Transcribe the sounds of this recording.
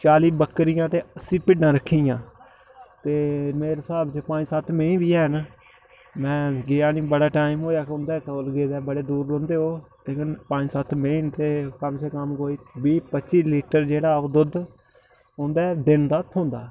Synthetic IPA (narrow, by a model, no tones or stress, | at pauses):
t͡ʃaːliːbəkːɾɪjãːt̪eːəsĩːpɪɖãːɾəkʰːiːjãː | t̪eːmeːɾsaːbt͡ʃepãːd͡ʒsət̪meĩːbiːɛːn | mɛ̃ːɡeːaːnĩːbəɽaːʈaːimɦoːjaːkʊnd̪ɛːkəlɡeːd̪ɛːbəɽeːd̪uːɾːõːnd̪eːɦoːleːkɪnpãːd͡ʒsət̪ʰmeint̪eːkəmseːkəmkoːiːbiːpətːt͡ʃiːliːʈəɾd͡ʒeːɽaːəd̪ʊd̪ | ʊ̃nd̪ɛːd̪ɪnd̪aːt̪ʰõːnd̪aː